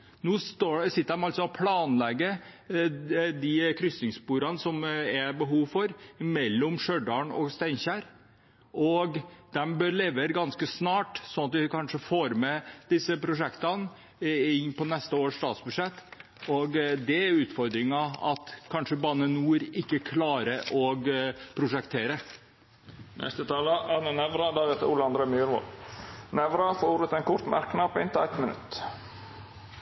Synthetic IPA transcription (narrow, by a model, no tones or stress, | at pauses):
nuːst̪oːsɪt̪ːəɾd̪ɛmɑlt̪sɔɔpʰlɑːnlɛɡːə | d̪ikʰɾʏsnɪŋspuːɾɑnəsɔmæɾbəɦuːʋfɔɾmɛlːɔmʂøɖɑɳɔ̰ɡst̪æɪnçæːɾ | ʔɔɡd̪ɛmbøɾleːʋəɾɡɑnskəsnɑːʈsɔnɑt̪ʋɪkʰɑnʂəfoːɾmɛd̪ɪsːəpʰɾʊʂɛkt̪ɑn | ɪnːpɔnɛst̪əoːʂt̪ɑːt̪sbʉʂɛt̪ː | ɔɡd̪ɛæɾʉːt̪fɔɾd̪ɾɪŋɑɑ̰t̪kʰɑnʂəbɑːnənuːɾɪkːəkʰlɑːɾəʔɔɡpʰɾʊʂɛkt̪ʰeːɾə | nʔɛ̰st̪ət̪ʰɑːləʔɑnənɛʋɾɑd̪ɑɾɛt̪əɾuːləɑnd̪ɾeːmyːɾʋɔ̰lnɛʋɾɑfouːɾət̪ɛnkʊɾt̪mæ̰ɾknɑpɪnt̪æɪt̪mənʉ̰t̪ː